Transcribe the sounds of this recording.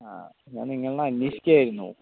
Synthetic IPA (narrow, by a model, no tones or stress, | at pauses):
a̰ː | ɲːa̰ːnniŋːɐɭnanːiːɕi̥kʲːaːjiɾunːṵ